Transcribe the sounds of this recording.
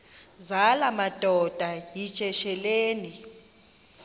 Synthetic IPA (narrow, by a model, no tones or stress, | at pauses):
zalamad̥ʱɔd̥ʱaji̥t͡ʃʼɛʃɛleːni